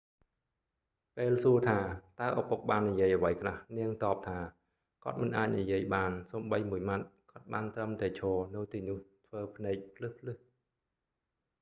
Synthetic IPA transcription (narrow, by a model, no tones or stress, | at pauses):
peːlsuət̪ʰaːt̪aəʔapʊk̚ɓaːnːijiəjʔəʋəjkʰlahniəŋt̪ɑːp̚t̪ʰaː | kŏət̪̚mɨnʔaːc̚nijiəjɓaːnsoːmɓəjmuəjmat̪̚kŏət̪̚ɓaːnt̪rəmt̪aɛt͡ɕʰɔːnɨwt̪iːnʊ̆əht̪ʰʋəːpʰnɛːk̚pʰlɨhpʰlɨh